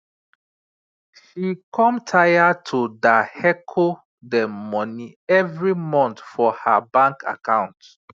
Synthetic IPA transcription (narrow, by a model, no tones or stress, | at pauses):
ʃikʰɔ̃mtʰajatʰudahɛkʰo | dɛmɔniɛvɹimɔ̃ntfɔhabãŋkʰa̰kãʊ̃nt